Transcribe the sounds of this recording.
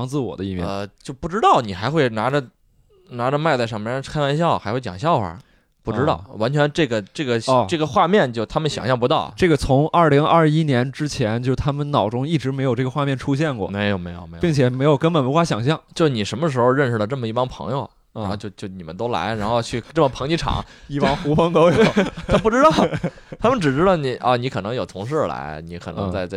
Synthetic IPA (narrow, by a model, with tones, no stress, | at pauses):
ɑ˧˥ŋt͡sɹ̩˥˩wɔ̰˨˩d̪ə˦i˥˩mjɛ̰˥˨˧t͡ɕjo˥˧ʊpu˥˩ʈ͡ʂɻ̩˥t̪ɑ˥˩ʊni˨˩xa˧˥ɪxwe˥˩ɪna˧˥ʈ͡ʂə˧ | na˧˥ʈ͡ʂə˧ma˥˧ɪt͡sa˥˩ɪʂm˥kʰa˥wa˧˥nɕjɑ˥˩ʊxa˧˥ɪxwe˥˩t͡ɕj̰ɑ˨˩ŋɕjɑ˥˩ʊxwə̰˨˩ | pu˥˩ʈ͡ʂɻ̩˥t̪ɑ˥˩ʊwa˧˥nt͡ɕʰɥɛ˧˥nʈ͡ʂɤ˥˩ɡə˩ʈ͡ʂɤ˥˩ɡə˩˧ʈ͡ʂɤ˥˩ɡə˩xwa˥˧mjɛ˥˧nt͡ɕjo˥˩ʊt̪ʰa˥mə˨nɕjɑ̰˨˩ŋɕjɑ˥˩ŋpu˧˥t̪ɑ˥˩ʊʈ͡ʂɤ˥˩ɡə˩t͡sʰʊ˧˥ŋɐ˞˥˩li˧˥ŋɐ˞˥˧˩i˥njɛ˧˥nʈ͡ʂɻ̩˥t͡ɕʰjɛ˧˥nt͡ɕjɻt̪ʰa˥mə˨nnɑ˨˩ʊʈ͡ʂʊ˥ŋi˥˩ʈ͡ʂɻ̩˧˥me˧˥ɪo˨˩ʊʈ͡ʂɤ˥˩ɡə˧xwa˥˧mjɛ˥˩nʈ͡ʂʰu˥ɕ̬jɛ˥˧nkwɔ̰˥˩˨me˧˥ɪjo˨˩ʊme˧˥ɪjo̰˨˩ʊe˧˥pi˥˩ŋt͡ɕʰjɛ˨˩me˧˥ɪjo˨˩kə˥npə˨˩nwxwa˥˩ɕjɑ˨˩ŋɕ̬jɑ˥˩ŋt͡ɕjʊ˧ni˨˩ʂə˧˥nmə˧ʂ̬ɻ̩˧˥xo˧ʊɻə˥˩nʂ̩˩lə˩ʈ͡ʂmə˩i˥˩pɑ˥ŋpʰɤ̰˧˥ŋjo˧ʊ | ɻnxo˥˧t͡ɕjo˥˧ʊt͡ɕjo˥˩ʊni˨˩mə˦nt̪o˥ʊla̰˧˥ɪɻa˧˥nxo˥˧ʊt͡ɕʰy˥˩ʈ͡ʂɤ˥˩mə˩pʰɤ˧˥ŋt͡ɕi˧˥ʈ͡ʂʰɑ̰˨˩˦ŋi˥˩pɑ˥ŋxu˧˥fə˥ŋko˥ʊjo˨˧˦t̪ʰa˥p̬u˥˩ʈ͡ʂɻ̩˥t̪ɑ˥˩ʊ˩t̪ʰa˥mə˨nʈ͡ʂɻ̩˨˩ʈ͡ʂɻ̩˥t̪ɑ˥˩ʊni˧˥ʔɐ˥˩ni˧˥kʰɤ˨˩nɤ˧˥ŋjo˨˩ʊt̪ʰʊ˧˥ŋʂ̬ɻ̩˥˩la̰˧˥ɪni˧˥kʰnɤ̰˧˥ŋt͡sa˥˧ɪt͡sa˥˧